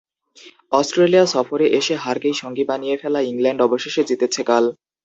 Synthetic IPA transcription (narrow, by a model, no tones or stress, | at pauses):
ɔsʈɾelijaʃɔfoɾeʔeʃeɦaɾɡejʃoŋɡibanijefɛlaiŋlɛɳɖɔboʃeʃed͡ʑit̪et͡ɕʰekal